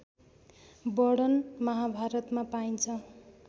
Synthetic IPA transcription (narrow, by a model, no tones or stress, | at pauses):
bʌɽʌnmʌɦabʱaɾʌt̪mapaint͡sʰʌ